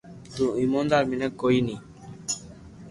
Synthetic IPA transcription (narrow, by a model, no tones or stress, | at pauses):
duimɔ̃ndamĩnɛ̃koini